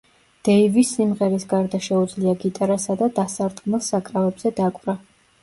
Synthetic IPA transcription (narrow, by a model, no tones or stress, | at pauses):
d̪̥ɛivisːimʁɛɾisɡaɾd̪aʃɛud̪zliaɡit̪ʼaɾasad̪ad̪asaɾd̪ɡmɛlˠsakʼɾavɛbz̥ɛd̪akʼvɾa